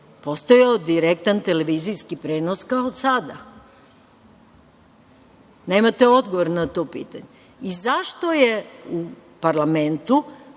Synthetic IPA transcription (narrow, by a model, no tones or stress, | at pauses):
po̞st̪ojeod̪iɾek̚t̪ant̪eleʋiːzijskipɾeːnoskaoːd̪sad̪a̰ | ne̞ːmat̪e̞o̞d̪ɡoʋoɾnat̪o̞pḭːt̪a̰ɲe | izaʃt̪o̞jeupaɾlˠame̞nt̪u